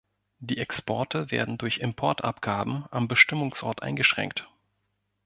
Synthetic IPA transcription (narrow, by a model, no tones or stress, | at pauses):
d̥iːɛkspʰɔɐtəvḛːɐdn̩dʊɐçɪmpʰɔɐtʔa̰pɡ̥aːbm̩ʔambəʃtɪmʊŋsʔɔ̰ɐtʔa̰ɪnɡəʃʁ̥ɛ̰ŋk̚t